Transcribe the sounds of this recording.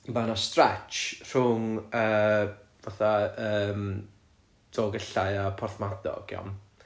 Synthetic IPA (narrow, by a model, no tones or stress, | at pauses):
manastrɛt͡ʃr̥ʊŋəːvaθaəːm | d̥ʰɔːɡəɬaɨapʰɔrθmadɔ̰ɡjɔ̰m